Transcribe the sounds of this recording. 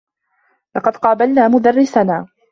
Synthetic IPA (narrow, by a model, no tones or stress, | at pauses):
lɑqɑd̪qɑːbalnaːmʊd̪arːɪsanaː